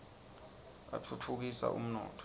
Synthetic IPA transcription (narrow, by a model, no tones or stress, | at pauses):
atʰut͡fʰuk̬isa̰ʔṵm̩nɔ̰ːtʰ